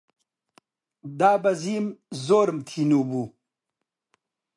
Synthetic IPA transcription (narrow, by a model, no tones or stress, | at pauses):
d̪aːbazimzoːɾmt̪ʰinubu